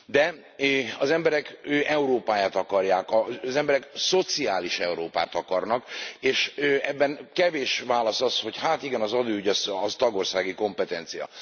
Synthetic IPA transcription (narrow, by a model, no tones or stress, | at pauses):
d̪ɛ | ɒzɛmbɛɾɛkøʔɛuɾoːpaːjaːt̪ɒkɒrjaːkɒzɛmbɛɾɛkso̞t̪siaːliʃɛuɾoːpa̰ːt̪ɒkɒrnɒkeːʃøɛbːɛnkɛveːʃʋaːlɒsɒsho̞chaːt̪iɡɛnɒzɒd̪oːyɟɒzɒzt̪ɒɡo̞rsaːɡiko̞mpɛt̪ɛnt̪sijɒ̰